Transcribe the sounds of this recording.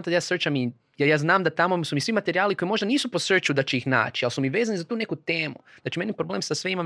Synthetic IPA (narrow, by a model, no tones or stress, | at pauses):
at̪ad̪jaːsərt͡ʃami | jejaːznaːmd̪at̪amosumisʋimat̪eɾiaːlikoimo̞ʒd̪aniːsupo̞sərt͡ʃud̪at͡ʃɛixna̰ːt͡ʃialsumiʋeːzanizat̪uːne̞kut̪e̞ːmuat͡ʃime̞nipɾoble̞ːmsasʋeimam